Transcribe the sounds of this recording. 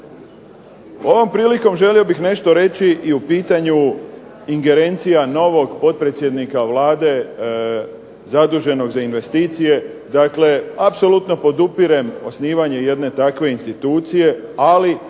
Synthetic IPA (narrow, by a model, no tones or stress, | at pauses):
o̞ʋo̞mpɾiːliko̞mʒe̞lio̞bixne̞ʃt̪o̞ɾe̞t͡ɕiʔiupiːt̪aɲu | iŋɡe̞ɾe̞nt̪sijano̞ʋo̞ɡpo̞t̪̚pɾet̪sʲjed̪nikaʋlˠaːd̪e̞ | zad̪uːʒe̞no̞ɡzainʋe̞st̪iːt̪sije̞ | d̪akle̞apso̞lut̪no̞po̞d̪upiɾe̞mo̞sniːʋaɲe̞je̞d̪ne̞t̪akʋe̞inst̪it̪uːt̪sije̞ali